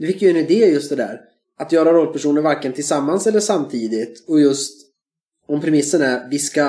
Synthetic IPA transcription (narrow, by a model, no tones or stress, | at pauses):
d̪ɵfɪkːjɵɛnɪd̪eːjɵst̪̚d̪ɛd̪æ̰ːɾ | at̪jœːɾaɾoːl̚pʰæʂuːnəɾvaɾkːənt̪ʰɪlsamːansɛlːəʂamt̪ʰiːd̪ɪt̪ɔjɵst̪ | ɔmpʰɾɛmɪsːənæɾvɪska